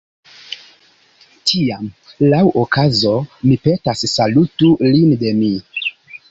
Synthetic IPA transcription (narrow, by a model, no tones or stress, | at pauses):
tʰiamlawʔokazo̞mipe̞tasːalutulinde̞mi